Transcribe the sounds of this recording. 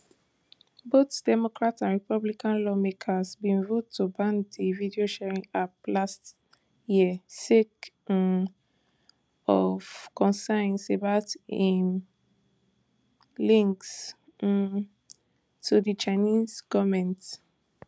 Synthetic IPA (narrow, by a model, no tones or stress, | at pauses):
botd̥ɛmokɹatãnɹipablikʰãnlɔmekʰəzbĩnvotʰːubãndividioʃɛɹĩŋaplast | jisek | ɔvkʰɔ̃nsãɪ̃nsebaʊtĩn | lĩŋks | tʰudit͡ʃanizɡ̥ɔvmɛ̃nt